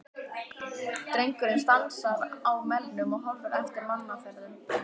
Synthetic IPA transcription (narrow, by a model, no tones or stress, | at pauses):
t̪ɾejŋkʏɾɪnst̪alsaðaːwmɛlːʏmɔɣɦɔrʏɾɛft̪ɪɾmanːafɛɾðʏm